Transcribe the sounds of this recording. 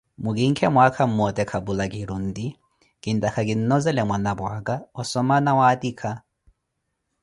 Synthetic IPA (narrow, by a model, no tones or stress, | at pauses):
mʊkiŋ̩kʰɛmʊakʰam̩mɔtʼɛkʰabulakʼiɾun̩ːdi | kʼɪn̩tʼakʰakʼin̩nɔzɛlɛmwanabakʼaɔsɔmanawaːtiːkʰa